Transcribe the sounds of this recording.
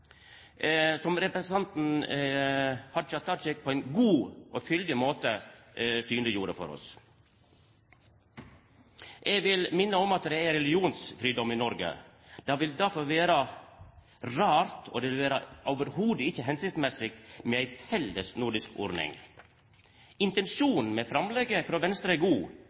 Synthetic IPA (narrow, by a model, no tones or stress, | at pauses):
sɔmɾɛpɾst̪ɑnt̪n̩ | hɑçɑt̪ːɑt͡ʃɛk̚pʰɔːæɪnɡuːʔoːfʏld̪ɪmoːt̪ə | syːnlɪjuːɾəfɔ̰ɾɔ̰s | ʔeːɡʋɪlmɪnːəɔmɑt̪d̪ɛæɾɛlɪuːnsfɾiːd̪ɔmɪnɔɾɡə̰ | d̪̥ɑːʋɪld̪æɾfɔɾʋeːɾə | ɾɑːɾt̪ʰo̰ːd̪ɛʋɪlʋeːɾəʔɔʊʋəɾhuːd̪əɪçːəɦɛnsɪkt̪mɛsɪk̚t̪meːæɪfɛlːəsnʊɾɖɪskɔ̰ɾnɪ̰ŋ | ɪnt̪ɛnʃuːnn̩mɛːfɾɑmlɛɡəfɾoːʋɛnst̪ɾəɛɡuː